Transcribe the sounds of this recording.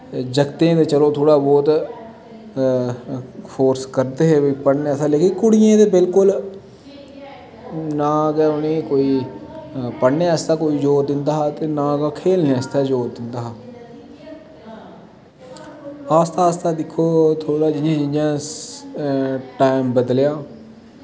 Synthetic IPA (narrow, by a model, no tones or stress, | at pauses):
d͡ʒəɡt̪ẽːt̪eːt͡ʃəloːt̪ʰoːɽaːbɔːt̪ | pʰoːɾskəɾd̪eːɦebpəɽneːaːst̪aːleːkɪkʊɽɪjẽːt̪eːbɪlkʊl | nãːɡaːʊnẽːkoːiː | pəɽneːəːst̪aːkoːiːd͡ʒoːɾd̪ɪnd̪aːɦaːt̪eːnãːɡaːkʰeːlneːast̪aːd͡ʒoːɾd̪ɪnd̪aːɦaː | aːst̪aːst̪aːd̪ɪkʰːoːt̪ʰoːɽaːd͡ʒɪnd͡ʒẽːd͡ʒɪnãː | ʈaːɪmbəd̪ljaː